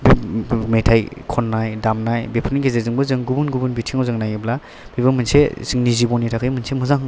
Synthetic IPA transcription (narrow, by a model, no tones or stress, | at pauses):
bimetʰajkʰɔnːajdamnajbepʰɯniɡezezɯŋbɯzɯŋɡubunɡubunbitʰiŋawzɯŋnajebla | bibɯmɯnsḛzɯŋnizibɔnitʰakʰɯjmɯnsemɯzaŋ